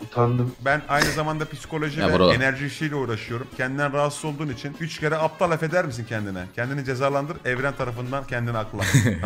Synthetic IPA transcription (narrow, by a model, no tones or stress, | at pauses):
t̪ʰand̪ɯmbænajnɯzamand̪apisi̥ko̞lʲoʒiɛbuɾaenæɾʒiːʃijlʲɛuːɾaʃɯjo̞ɾumcʰɛnd̪ind̪ænɾaɦat̪sɯzo̞lˠd̪uːnit͡ʃʰinyt͡ʃcʰʲe̞ɾɛap̚t̪ʰalˠafe̞d̪æɾmisincʰɛnd̪inɛ̰cʰɛnd̪inid͡ʒe̞zaːlˠand̪ɯɾɛvɾænt̪ʰaɾafɯnd̪ancʰɛnd̪inɛaklˠa